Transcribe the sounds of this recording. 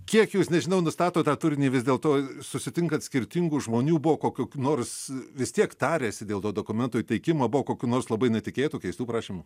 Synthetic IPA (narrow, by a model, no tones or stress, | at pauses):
kʲiɛkjuːsnʲɛʒʲɪnɐʊnʊst̪ɑːt̪oːt̪ɑːt̪ʊɾʲɪnʲiːʋʲɪzd̪ʲeːlˠt̪oːsʊsʲɪt̪ʲɪŋkɐt̪ʲsʲkʲɪɾʲt̪ʲɪŋɡuːʒmoːnʲuːbʊʋoːkoːkʲukʲːnoːrsʋʲɪst̪ʲiɛkt̪ɑːɾʲeːsʲɪd̪ʲeːlˠt̪d̪oːd̪oːkʊmʲɛnt̪oːit̪ʲɛɪkʲɪmɐːbʊʋoːkoːkʲuːnoːrslˠɐbɐɪnʲɛtʲɪkʲeːt̪uːkʲɛɪst̪uːpɾɑːʃʲimʊ